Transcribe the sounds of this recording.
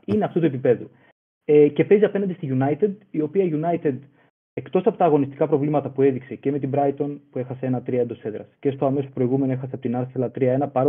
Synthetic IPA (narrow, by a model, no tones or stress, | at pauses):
ineɐft̪ut̪ue̞pipe̞ðu | ece̞pe̞ziɐpenɐnd̪est̪iʝunɐjt̪ed̪io̞piɐiʝunɐjt̪ed̪ | e̞kt̪o̞sɐpo̞t̪ɐːɣo̞nist̪i̥kɐpɾovlimɐt̪ɐpue̞ðikse̞ceme̞t̪̬ibɾɐjt̪o̞npue̞xɐsee̞nɐt̪ɾiɐed̪ose̞ðɾɐ̰sce̞st̪o̞ɐme̞sopɾo̞iɣume̞noe̞xɐseɐpo̞t̪inɐɾθelɐt̪ɾiɐe̞nɐpɐɾo